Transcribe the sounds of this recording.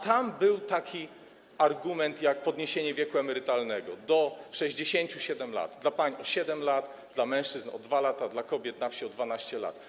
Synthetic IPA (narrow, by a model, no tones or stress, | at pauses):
t̪ambɘwt̪akʲi | aɾɡumɛnt̪jak̚pɔd̪ɲeɕeɲɛvʲjɛkuɛmɛɾɘt̪alnɛɡɔd̪ɔʂɛʑd͡ʑeɕeɲt͡ɕuɕɛd̪ɛmla̰d̪d̪lapaɲɔɕɛd̪ɛmlad̪d̪lamɛ̃ʂt͡ʂɘznɔ̰d̪valat̪ad̪lakɔbʲjɛt̪nafɕiɔd̪vanaɕt͡ɕɛla̰t̪